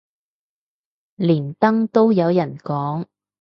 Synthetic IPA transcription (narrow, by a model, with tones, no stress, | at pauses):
liː˨˩nt̪ɐ˥ŋt̪o˥wjɐ˨˧wjɐ˨˩nkɔː˨˥ŋ